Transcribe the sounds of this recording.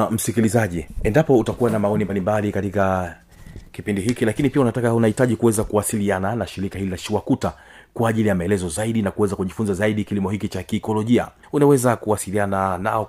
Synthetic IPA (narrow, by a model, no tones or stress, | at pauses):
m̩sikilizaʄiɛndapɔutakuwanamaɔnimbalimbalikatika | kipindiɦikilakinipiaunatakaunahitaʄikuwɛzakuwasiliananaʃiɾikahililaʃiwakuta | kwaːʄilijamaɛlɛzɔzaiɗinakuwɛzakuʄifunzazaiɗikilimɔhikit͡ʃakiːkɔlɔʄia̰ | unawɛzakuwasilianana̰ɔ